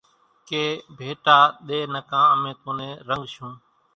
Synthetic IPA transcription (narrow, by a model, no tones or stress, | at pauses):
keːbʱeːʈaːɗ̪eːnəkãːəmẽːk̪õːnẽːɾəŋɡʃũː